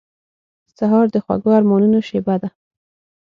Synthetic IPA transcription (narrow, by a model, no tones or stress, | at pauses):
saɦɑɾd̪əxwa̰ɡoaɾmɔnunoʃebad̪a